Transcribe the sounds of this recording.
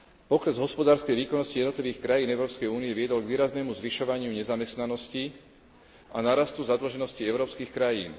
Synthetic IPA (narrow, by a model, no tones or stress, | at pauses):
pɔkɾɛzɦɔspɔd̪aːɾskɛjʋiːkɔnːɔscijɛd̪nɔt̪liʋiːxkɾajiːnɛʊɾɔːpskɛjuːnijɛʋɪɛd̪ɔlɡʋiːɾaznɛːmuzʋiʃɔʋaɲɪuɲɛzamɛst̪nanɔsci | anaɾast̪uzad̪l̩ʒɛnɔsciɛʊɾɔːpskiːxkɾajiːn